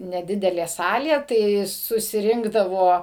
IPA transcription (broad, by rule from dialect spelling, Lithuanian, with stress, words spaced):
nʲɛˈdʲɪdʲɛlʲeː ˈsɑːlʲeː tɐɪ sʊsʲɪˈrʲɪŋɡdɐʋoː